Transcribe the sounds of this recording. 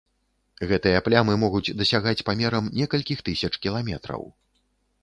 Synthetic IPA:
ɣɛt̪ɨjɐplʲamɨmɔɣud͡zʲd̪ɐsʲaɣat͡sʲpamʲɛɾɐmnʲɛkɐlʲkʲixt̪ɨsʲɐt͡ʂkʲilˠamʲɛt̪ɾɐ̰w

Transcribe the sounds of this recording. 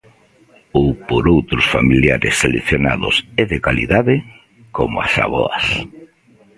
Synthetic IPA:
owpoɾowt̪ɾʊsfamiljaɾɪ̰sːeleθjona̰ð̞ʊ̰sɛðekalḭðaðɪ | komʊa̰sa̰βɔ̰as

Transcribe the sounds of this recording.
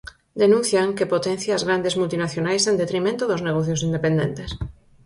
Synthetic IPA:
d̪enũn̟θjaŋkepot̪ɛn̟θjaazɣɾand̪ezmult̪inaθjonajsẽnd̪et̪ɾimẽnt̪ʊðʊzneɣ̞ɔθjos̬ind̪epẽnd̪ẽnt̪es

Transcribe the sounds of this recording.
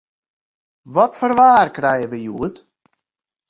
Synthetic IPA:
ʋɔtfərʋaːrkrɛjəʋəjuət

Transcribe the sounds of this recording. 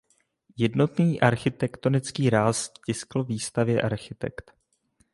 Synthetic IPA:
jɛdno̞t̪niːʔaɾxɪt̪ɛkt̪o̞nɪt͡skiːɾaːscɪskl̩viːst̪avjɛʔaɾxɪt̪ɛ̰kt̪

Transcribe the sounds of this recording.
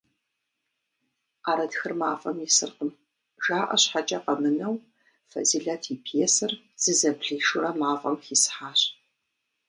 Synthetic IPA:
qaːɾɐdxɨrmaːfʼɐ̰mjisɨ̰rqəm | ʒaːʔɐ̰ɕħat͡ʃʼɐqɐmɨnɐw | fɐ̰ziɮatʰiːpʰeːsɨr | z̥ɨzɐbɮiːʃʊrɐmaːfʼɐmxiːsħaːɕ

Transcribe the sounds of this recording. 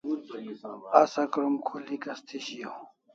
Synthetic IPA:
asɐkɾumkʰulikɐst̪ʰiɕijo

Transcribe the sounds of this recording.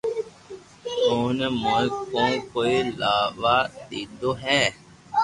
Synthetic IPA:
oːnmokõːkoːilaːʋaːd̪iːd̪oːɦɛː

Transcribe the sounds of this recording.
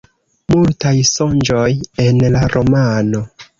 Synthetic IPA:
multajso̞nd͡ʒo̞jenlaɾʔo̞mano̞

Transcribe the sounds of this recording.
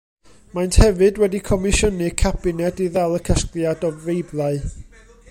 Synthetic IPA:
majnthɛvɨdwɛdikʰɔmɪʃɔnɨkʰab̥ɪnɛdiðɛlˠəkʰəskljadɔvejblˠaɨ

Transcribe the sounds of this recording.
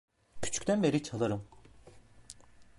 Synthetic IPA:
cʰy̥t͡ʃʰy̥cʲt̪ʰænbe̞ɾit͡ʃʰalˠaɾɯm

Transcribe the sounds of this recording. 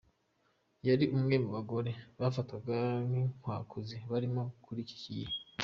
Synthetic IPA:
jaɾiʔumŋe̞muβaɡo̞ɾe̞βafatkaɡamiŋ̥waːkuziβaɾimokʰuɾici̥cije

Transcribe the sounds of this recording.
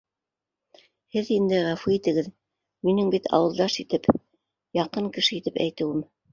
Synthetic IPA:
hɘðind̪ɘʁɑfiit̪ɘ̆ɡɘð | minɘŋbit̪ʰɑ̰wɤ̆lˠd̪ɑʃit̪ɘp | jɑqɤŋkɘ̆ʃɘit̪ɘpæ̰jt̪ɘ̆wɘm

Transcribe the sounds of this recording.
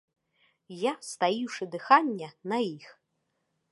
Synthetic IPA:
jast̪ajiwʂɨd̪ɨxanʲːɛnɐjix

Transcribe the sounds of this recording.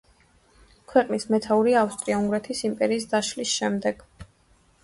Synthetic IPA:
kʰwɛqʼnismɛt̪ʰauɾiafst̪ʼɾiauŋɡɾɛt̪ʰisimpʼɛɾiːs̬d̪aʃlisʃɛmd̪ɛɡ̥

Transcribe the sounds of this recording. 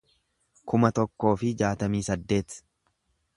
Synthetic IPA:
kʊmɐt̪ɔkːo̞ːfɪd͡ʒaːt̪ɐmiːsɐd̪ːe̞ːt̪

